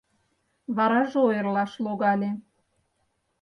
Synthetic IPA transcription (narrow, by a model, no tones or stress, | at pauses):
βɑɾɑʒeojərlɑʃloɣɑlʲe